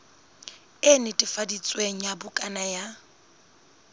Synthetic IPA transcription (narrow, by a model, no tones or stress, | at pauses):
ɪnɪtʼifadit͡sʼweŋ̩jabʊkʼanaja